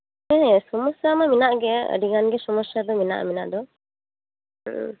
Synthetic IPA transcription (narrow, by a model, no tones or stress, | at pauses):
mɛsumɔsamaminaʔɡeə̰ɖiŋanɡesɔmɔsad̪ɔmina̰ʔmina̰ʔd̪ɔ